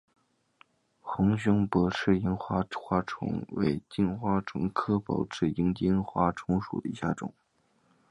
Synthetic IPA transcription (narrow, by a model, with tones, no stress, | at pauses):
xʊ˧˥ŋɕ̬ʊ˥ŋpɔ˧˥ʈ͡ʂʰɻ̩˥˩i˧˥ŋxwa˥xwa˥ʈ͡ʂʰʊ̰˧˥ŋwḛ˧˥ɪt͡ɕi˥˧nxwa˥ʈ͡ʂʰʊ˧˥ŋkʰɤ˥pɑ̰˨˩ʊʈ͡ʂʰɻ̩˥˩i˧˥ŋt͡ɕi˥nxwa˥ʈ͡ʂʰʊ˧˥ŋʂṵ˨˩d̪ə˦ḭ˧˥ɕja̰˥˩ʈ͡ʂʊ̰˨˩˦ŋ